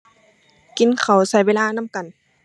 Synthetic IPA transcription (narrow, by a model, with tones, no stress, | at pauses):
ki˨˦nkʰa˨˩wsa˨˧˦jweː˧laː˧na˧˥˨mka˨n